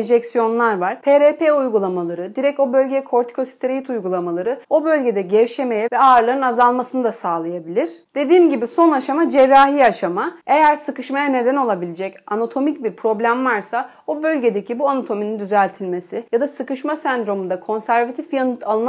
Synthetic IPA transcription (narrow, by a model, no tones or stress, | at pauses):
eʒɛcsijo̞nlˠaɾvaɾ̥pʰeːɾeːpʰeujɡulˠamalˠaɾɯd̪iɾɛc̚o̞bø̞lʲɟekʰo̞ɾt̪ʰi̥kʰo̞si̥t̪ʰeɾejit̪ujɡulˠamalˠaɾɯo̞bø̞lʲɟe̞d̪ɛɟɛvʃe̞me̞jɛvɛaːɾlˠaɾɯnazalˠmasɯnɯd̪asaːlˠajabilʲiɾ̥d̪̥e̞d̪iːmɟibiso̞naʃamad͡ʒɛɾːaːɦiːaʃamae̞jæɾsɯkɯʃmajane̞d̪æno̞lˠabilʲid͡ʒɛcanat̪ʰo̞mic̚biɾpʰɾo̞blʲæmvaɾsa | obø̞lʲɟed̪e̞cʰibuanat̪ʰo̞minind̪yzælʲt̪ʰilʲme̞sɪjad̪asɯkɯʃmasænd̪ɾo̞mund̪akʰo̞nsæɾvat̪ʰifjanɯt̪ʰalˠɯn